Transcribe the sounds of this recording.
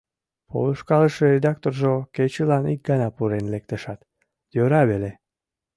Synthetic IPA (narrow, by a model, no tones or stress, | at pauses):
po̰luʃkɑləʃəɾed̪ɑk̚t̪orʒoket͡ɕəlɑnḭk̚ɡɑnɑpuɾenlek̚t̪əʃɑt̪ | jøɾɑβele